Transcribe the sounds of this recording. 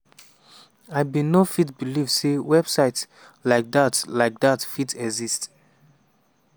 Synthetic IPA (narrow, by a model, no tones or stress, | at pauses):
aɪbinofitbilivsewɛb̥saɪt | laɪk̚datlaɪk̚datfitɛɡzist